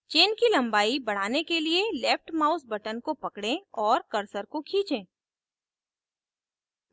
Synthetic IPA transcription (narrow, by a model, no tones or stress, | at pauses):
t͡ʃeːnkilɐ̃mbaːibɐɽ̤aːnekelielɛːp̚ʈmaːʊsbɐʈənkopɐkɽẽɔːɾkɐɾsəɾkokʰiːt͡ʃẽː